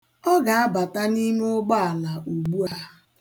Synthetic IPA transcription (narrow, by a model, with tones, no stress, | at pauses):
ɔ˦ɡa˨a˦ba˨ta˦ni˦me˦ʊ˦ɡ͡ba˦a˨la˨ʔu˨ɡ͡bu˦a˦